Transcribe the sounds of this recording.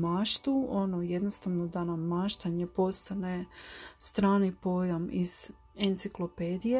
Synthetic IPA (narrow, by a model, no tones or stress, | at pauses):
maːʃt̪uonoje̞d̪nost̪aʋnod̪anamːaːʃt̪aɲe̞po̞st̪anest̪ɾaːnipo̞jamiz̥ | ent̪siklopeːd̪ije